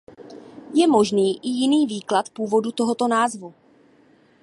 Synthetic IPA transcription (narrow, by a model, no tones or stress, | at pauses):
jɛmo̞ʒniːʔɪjɪniːviːklat̪puːvo̞dut̪o̞ɦo̞t̪o̞naːzvu